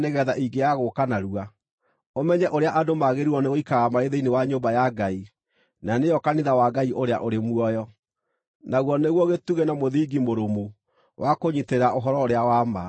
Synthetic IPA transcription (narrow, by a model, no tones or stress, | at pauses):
neɣɛːðaʔiɡejaɣokanaɾua | omɛɲɛʔoɾeaʔadomaɣeɾiɔneɣoikaɣamaɾeðeinewaɲobajaɡai | nanejɔkaniðawaɡaiʔoɾea̰ʔoɾemuɔjɔ | naɣwɔneɣwɔɣetuɣenamoðiɡimoɾomo | wʔakoɲiteɾaʔoɦɔɾɔoɾeawama